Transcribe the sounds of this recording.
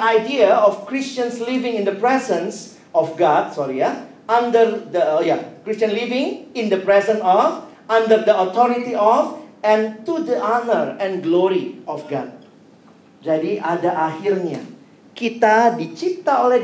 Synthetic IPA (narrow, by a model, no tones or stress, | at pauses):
ajdiəɔfkɹist͡ʃə̃nslivɪ̃ŋĩndəpɹɛzə̃ns | ɔfɡɔd̚sɔɹija | ãndərdəjakɹistə̃nlivɪ̃ŋĩndəpɹɛzə̃nɔf | ãndədəɔt̪ɔɾitiɔfɛ̃ntudəʔɔnəɹɛ̃nɡloɹiɔfɡɔt̚ | d͡ʒadiʔadaʔahirna̰ | kit̪adit͡ʃit̪aolɛ